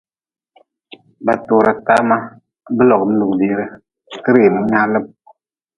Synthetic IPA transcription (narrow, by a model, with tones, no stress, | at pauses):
ba˨toː˨ɾa˨ta˦ma˦ | bɨ˦lɔ˨kɨ˨m̩˦lu˨kdi˦ɾɨ˦ | kɨ˦ɾi˨nu˨˦ɲa˦lɨ˦m